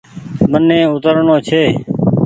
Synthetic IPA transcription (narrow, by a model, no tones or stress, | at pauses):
mənːẽːʊt̪əɾɳõːt͡ʃʰeː